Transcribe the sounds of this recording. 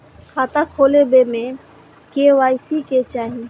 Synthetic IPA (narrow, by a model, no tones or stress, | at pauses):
kʰaːt̪akʰoːlebemẽ | keʋaːjsiket͡ʃaːɦĩ